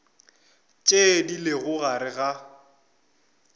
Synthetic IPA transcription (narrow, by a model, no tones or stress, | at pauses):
t͡ʃʼedileɣʊɣaɾɪɣa